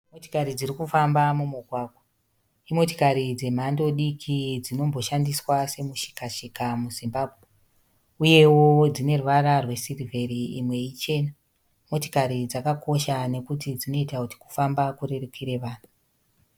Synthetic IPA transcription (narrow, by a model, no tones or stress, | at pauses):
moto̥kaɾid͡zirikufambamumuɡʱwaːkwo | imo̞tikaɾid͡ze̞m̤ando̞ɗikʰid͡zino̞mbo̞ʃandiswase̞muʃi̥kaʃikamuzimbaːbʱwe | uje̞wod͡zine̞ruʋaɾarwe̞sirivʱe̞ɾiimwe̞it͡ʃe̞na | mo̞to̥kaɾid͡zakako̞ʃane̞kutid͡zino̞itakuti̥ku̥fambakure̞rekiɾe̞ʋaːn̤u